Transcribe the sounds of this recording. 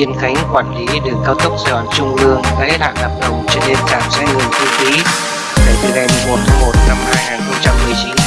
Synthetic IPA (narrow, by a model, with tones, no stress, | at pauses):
i˧ənxa˨˦jŋ̟kwaː˧˩nli˨˦ɗɨ˨˩əkːaː˧wt̪ʰə˦˥k͡p̚zəː˧˩ɗɔ˨˩nt͡ɕʊ˧ŋ͡mlɨ˧əŋa̰ː˧˦˥t̚ha̰ː˧˨nɗə˨˩p̚ɗə˨˩wŋ͡mt͡ɕɔ˧ne˧nt͡ɕaː˨˩nsɛ˧ŋɨ˨˩ŋt̪ʰu˧xi˨˦ | nəː˨˩vi˨˧˩kɛ˧˩m˨˩mo˨˩t̪ʰə˨˦mo˨˩t̚na˧mhaː˧jŋaː˨˩nxə˧ŋ͡mt͡ɕa˧mːɨ˨˩əjt͡ɕi˨˦n